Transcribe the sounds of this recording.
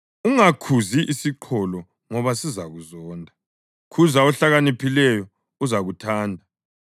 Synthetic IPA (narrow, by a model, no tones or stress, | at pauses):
uŋakʰuziʔisiǃʰɔlɔ | ŋɔβasizaɣuzɔːndʱa | kʰuzaɔɬaɣanipʰilɛjɔ | uzaɣutʰaːndʱa